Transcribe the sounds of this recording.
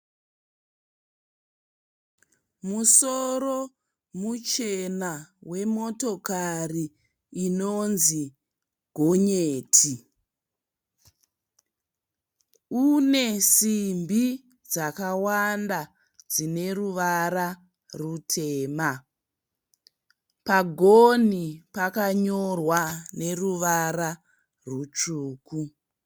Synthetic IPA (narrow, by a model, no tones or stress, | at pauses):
musoro | mut͡ʃe̞nawe̞mo̞to̞kariː | nonzi | ɡʱoɲeːtʰi | une̞simbi | d͡zakawanda | d͡zine̞ruʋaɾa | rutʰeːma | paɡʱonipakaɲo̞rwane̞ruʋara | rut͡ʂuːku